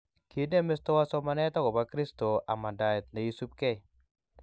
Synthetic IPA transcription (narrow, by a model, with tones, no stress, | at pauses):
ki˦de˦me˦stɔ˦wa˦sɔ˦ma˦nɛ˦ta˦kɔ˨ba˦kɾi˦sto˨ʔa˨ma˨da˨ɪ˨t̚na˨ju˦su˦p̚kɛ˦j